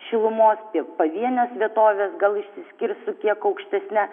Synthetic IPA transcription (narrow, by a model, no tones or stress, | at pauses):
ʃʲɪlˠʊmoːspʲiɛpɐʋʲiɛnʲosʋʲiɛt̪oːʋʲeːsɡɐlˠɪʃʲsʲɪsʲkʲɪrsʊkʲiɛkɐʊkʃʲt̪ʲɛsʲnʲæ